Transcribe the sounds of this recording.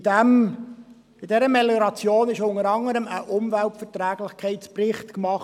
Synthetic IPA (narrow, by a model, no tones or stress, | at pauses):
d̥ɛm | ɪd̥ɛɾəmɛləɾɑt͡sjoːnɪʃʊŋəɾɑŋəɾəməʔʊmvæltfətɾæːɡlɪχkʰɛɪtt͡sprɪχtkmɑχ